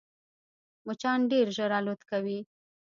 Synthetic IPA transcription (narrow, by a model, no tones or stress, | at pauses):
mʊt͡ʃɑnɖeɾʒəɾɑlot̪kawi